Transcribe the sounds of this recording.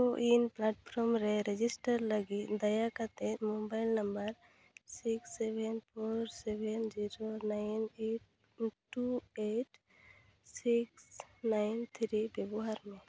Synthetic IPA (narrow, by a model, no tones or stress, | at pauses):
t̪oʔinplaʈpʰɾɔmɾɛɾed͡ʒisʈəɾləɡid̪əjakat̪ẽmobaɪlnəmbəɾ | siksːebɛnpʰoɾsɛbɛnd͡ʒiɾonaɪneʈ̚ | ʈueʈ | siksnaɪnt̪ʰɾibebɔɦaɾmẽ